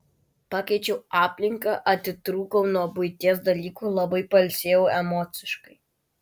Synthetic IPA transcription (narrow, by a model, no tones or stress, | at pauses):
pɑːkʲɛɪt͡ʃʲɛʊɑːpʲlʲɪŋkɐʔɐt̪ʲɪt̪ɾuːkɔʊnuɔbʊɪt̪ʲiɛsd̪ɐlʲiːkuːlˠɐbɐɪpɐlʲsʲeːjɛʊɛmɔːt̪sʲɪʃkɐɪ